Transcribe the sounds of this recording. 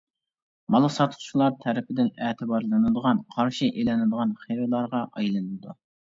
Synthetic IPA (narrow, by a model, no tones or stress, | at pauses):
mɑlˠəsɑt̪ʰʊ̥t͡ʃlˠɑɾt̪ʰɛɾɪpʰɪd̪ɪnɛːt̪ʰɨbɑɾlˠɨnɨd̪əʁɑnqʰɑɾʃiʔelɪnɨd̪əʁɑnχeɾɨlˠɑɾʁɑʔɑjlˠɨnɨɨd̪u